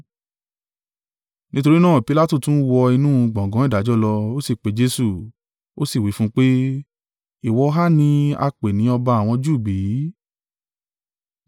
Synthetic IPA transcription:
nĩ˦to˧ɾi˦nãː˦˨pi˧la˦tu˦˨tũ˨˦wɔ˧i˧nũ˦˧ɡ͡bɔ̃˨ɡɔ̃˨˦i˦˨da˨˦d͡ʒɔ˦lɔ˧o˦si˦˨k͡pe˨˦d͡ʒe˧˦su˦˨ | o˦si˦˨wi˨˦fũ˦k͡pe˦ | i˦˨wɔ˨˧˦ɦa˦nĩ˧a̰˧k͡pe˨nĩ˨˦ɔ˧ba˧a˨w̃ɔ̃˧d͡ʒu˦˨bi˨˦

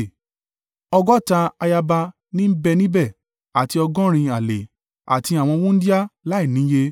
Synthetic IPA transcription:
ɔ˧ɡɔ˦˨ta˧a˧ja˧ba˧ | nĩ˦bɛ˦˧nĩ˦bɛ˦˨ | a˨ti˧ɔ˧ɡɔ̃˦ɾ̃ĩ˧a˨le˨ | a̰˨ti˧a˨w̃ɔ̃˧wũ˦n̩˦di˦a˦la˦i˦˨nĩ˨˦je˧

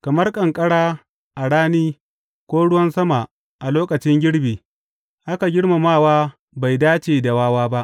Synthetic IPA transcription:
kɐ˨mɐ˦rkʼɐ˨ŋkʼɐ˦ɽaː˦ | ʔa˨ɽaː˦niː˦ | kʷoː˦ɽʊ˦wɐ˦nsɐ˦ma˨ | ʔa˨loː˦kɐ˨t͡ʃɪ˦ŋɡʲɪ˦ɽbiː˨ | ʔa˦ka˨ɡʲɪ˦ɽma˨maː˦˨waː˦ | ba˨jdaː˦t͡ʃeː˨da˨waː˦waː˦ba˦ʔ

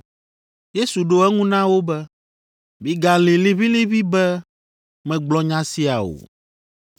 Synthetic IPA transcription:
je˦su˨ɖo˦ɛ˦ŋũ˦nã˦wo˦bɛ˦ | mi˦ɡa˨li˨li˦βi˦li˦βi˦bɛ˦ | mɛ̃˨ɡ͡blɔ˦ɲã˦si˦a˨o̰˨

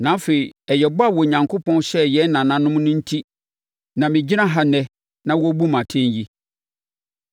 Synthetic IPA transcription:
nã˨˦fe˨i˨ɛ˨jɛ˨bʊ˦a˦˨wɔ˨ɲã˨ŋkʰo˦pʰɔ̃˦n˦ɕɛ˦jɛ˨˦nã˨nã˨nʊ̃˦mʊ̃˦nʊ̃˦n̩˦tʰi˦ | nã˨mɪ̃˨d͡ʑi˦nã˦ɦa˨nɛ˦ | nã˦wɔ˦bu˦mã˨tʰɛ̃˦n˦ji˦

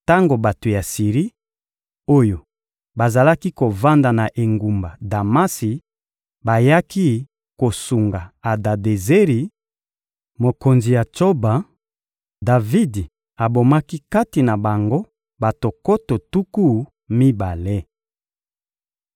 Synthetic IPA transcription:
ta˦ŋɡo˨ba˨to˨ja˨si˨ʁi˦ | o˦jo˨ | ba˨za˨la˦ki˦ko˨va˦nda˨na˨ʔe˨ŋɡu˨mba˨da˨ma˦si˨ | ba˨ja˦ki˦ | ko˨su˨ŋɡa˨a˨da˨de˨ze˦ʁi˨ | mo˨ko˨nzi˨ja˨t͡ʃo˦ba˨ | da˨vi˦di˨ | a˨bo˨ma˦ki˦ka˦ti˨na˨ba˨ŋɡo˦ | ba˨to˨ko˦to˨tu˦ku˦ | mi˦ba˨le˦

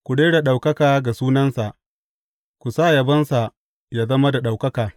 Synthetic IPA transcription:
kʷʊ˨ɽeː˦ɽa˨ɗa˨wkɐ˦kaː˨ɡa˨suː˦nɐ˦nsa˨ʔ | kʷu˨saː˦˨jɐ˨bɐ˦nsa˨ | jaː˦zɐ˦ma˦da˨ɗa˨wkɐ˦kaː˨

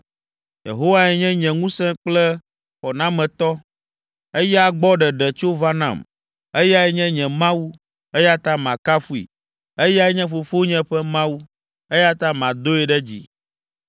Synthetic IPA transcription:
jḛ˨ɦo˦wa˦ɛ˨ɲɛ̃˦ɲɛ̃˨ŋũ˦sɛ̃˦k͡plɛ˦ | ɸɔ˨nã˦mɛ̃˨t̪ɔ˦ | e˦jɛ˦a˨ɡ͡bɔ˦ɖɛ˨ɖɛ˨t͡ʃo˦va˦nã̰˨m | e˦ja˦ɛ˨ɲɛ̃˦ɲɛ̃˨mã˦wu˦ | e˦ja˦t̪a˦mã̰˨ka˦fu˦ḭ˨ | e˦ja˦ɛ˦ɲɛ̃˦ɸo˨fo˦ɲɛ̃˦ɸɛ˦mã˦wu˦ | e˦ja˦t̪a˦mã˨d̪o˦ɛ˨ɖɛ˦d͡ʑḭ˨

